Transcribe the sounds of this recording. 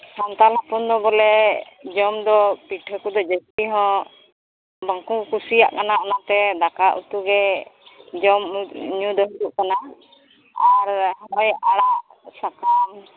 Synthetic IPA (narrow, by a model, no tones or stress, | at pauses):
sant̪alhapund̪ɔbɔlɛd͡ʒɔmd̪ɔpiʈʰəkud̪ɔd͡ʒɛst̪iɦɔ̃ | baŋkũkusia̰ʔkanaʔɔnat̪ɛd̪akaʔṵt̪uɡɛ | d͡ʒɔmɲud̪ɔɦud̪uʔkana | aɾɦɔɔjaɽaʔ | sakam